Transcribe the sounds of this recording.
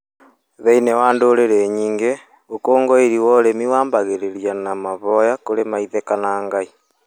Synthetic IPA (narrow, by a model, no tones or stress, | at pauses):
ðeinewaːndoːɾeɾeɲiːŋɡe | okoːŋɡoeɾiwɔɾemiwaːmbaɣeɾeɾjanamaβɔjakoɾemaiðekanaŋɡai